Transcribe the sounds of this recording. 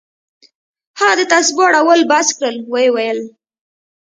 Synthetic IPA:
haɣad̪ət̪asbɑɽawəlbaskɽəlwajewajəl

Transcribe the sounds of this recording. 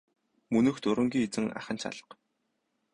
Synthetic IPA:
mɵnɵ̆xt̪ʰɵɾɵ̆ŋɡʲiːet͡sɘ̆ŋa̰χə̆nt͡ɕʰa̰ɮə̥̆q

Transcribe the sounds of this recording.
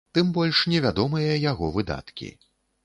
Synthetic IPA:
t̪ɨmbɔlʲʂnʲɛvʲad̪ɔmɨjɐjaɣɔvɨd̪a̰t̪kʲḭ

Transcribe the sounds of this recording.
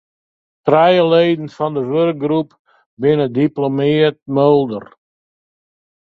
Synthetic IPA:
trɛjəlejdən̩fɔndəʋørk̚ɡrup | bɪnədiplomɪət̚mølˠdər

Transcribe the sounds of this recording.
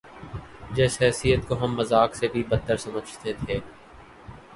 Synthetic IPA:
d͡ʒɛːsɦɛːsijət̪̚koɦɐmːɐzaːksebʱibɐt̪ːəɾsɐməd͡ʒʱt̪et̪ʰeː

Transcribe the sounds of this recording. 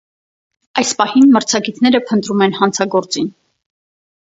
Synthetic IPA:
ɑjspɑhinməɾt͡sʰɑɡit̪ʰnɛɾəpʰənt̪ɾumɛn̪hɑnt͡sʰɑɡɔɾt͡sin

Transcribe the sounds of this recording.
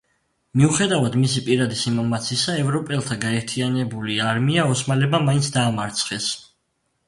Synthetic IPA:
miuχɛd̪avad̪misipʼiɾad̪isimɔmat̪sʰiisaɛvɾɔpʼɛlˠt̪ʰaɡaɛɾt̪ʰianɛbuliaɾmiaɔsmalɛbamaint̪sʰd̪aːmaɾt̪sʰχɛs

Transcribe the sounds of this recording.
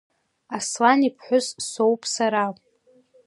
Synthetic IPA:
aslanipʰħʷʊzsowpʼʰsaɾa

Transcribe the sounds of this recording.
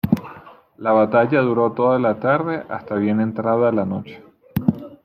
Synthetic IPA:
laβat̪aʝaðuɾo̞t̪o̞ðalat̪aɾðe̞ʔast̪aβje̞ne̞nt̪ɾaðalano̞t͡ʃe̥

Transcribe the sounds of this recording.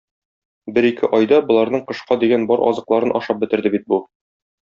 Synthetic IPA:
bɘɾikʰɘʔɒjd̪ɑbŏlˠɑɾnɤɴqɤ̆ʃqɑd̪iɡænbɒɾʔɒ̰zɤ̆qlˠɑɾɤnʔɒ̰ʃɑp̚bɘ̆t̪ɘ̆ɾd̪ɘbit̪̚bu

